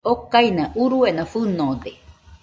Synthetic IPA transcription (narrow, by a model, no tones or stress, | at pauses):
okainãʔuɾuenãfɨnõd̪e